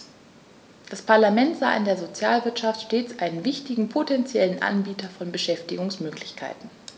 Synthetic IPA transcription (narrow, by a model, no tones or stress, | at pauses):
d̥aspʰaɐlamɛntz̥a̰ːʔɪndeːɐzot͡sja̰ːlvɪɐtʃaftʃteːt͡sʔaɪnənvɪçtɪɡŋ̩pʰotʰɛnt͡sjɛlənʔa̰nbiːtɐfɔnbəʃɛftɪɡʊŋsmøːklɪçkʰa̰ɪtn̩